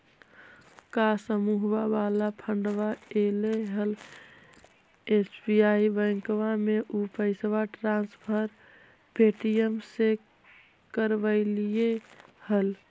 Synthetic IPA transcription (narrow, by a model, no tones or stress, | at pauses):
kasəmuɦwabalapʰəɳɖʋaeleɦəl | esbiaibə̃ɪŋkʋameʔupəɪsʋaʈɾãnspʰəɾ | peʈijemse | kəɾʋəɪlijehəl